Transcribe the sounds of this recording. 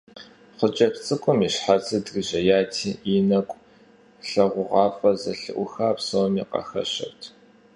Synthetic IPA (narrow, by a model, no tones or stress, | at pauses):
χʷət͡ʃʼɐpt͡sʼɨkʷʼʊmiɕħat͡sɨdrɨʑɐjaːtʰiːʔinɐkʷʼ | ɬɐʁʷʊʁɑːfʼɐzɐɬɨ̰ʔʷʊxaːpsowmiːqɐ̰xɐ̰ɕɐ̰wtʰ